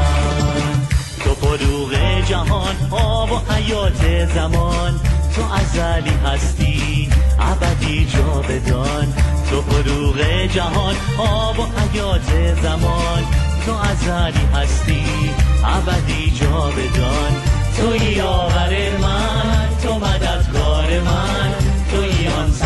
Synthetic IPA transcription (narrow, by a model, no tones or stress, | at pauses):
t̪ʰofoɾuːɣed͡ʒæɦɒnʔɒːbohæjɒːt̪ʰezæmɒnt̪ʰoʔæzæliːɦæst̪ʰiː | ʔæ̰bæd̪iːd͡ʒɒːbed̪ɒ | nt̪ʰofoɾuːɣed͡ʒæɦɒːnʔɒːbohæjɒːt̪ʰezæmɒːnt̪ʰoʔæzæliːɦæst̪iːʔæbæd̪iːd͡ʒɒːbed̪ɒ | nt̪ʰojiːɒːvæɾemæ | nt̪ʰomæd̪æd̪kʰɒːɾemæ | nt̪ʰojiɒn